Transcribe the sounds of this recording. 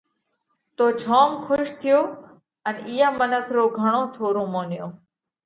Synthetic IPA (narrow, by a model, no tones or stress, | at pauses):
t̪oːt͡ʃʰoːmkʰʊʃt̪ʰɪjoː | əniːãːmənəkʰɾoːɡʱəɳ̃õːt̪ʰoːɾõːmoːnɪjõː